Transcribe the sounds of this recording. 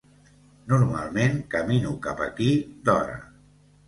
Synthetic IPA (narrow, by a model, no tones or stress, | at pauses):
nuɾma̰lˠmeŋkəminukapəkid̪ɔɾə̰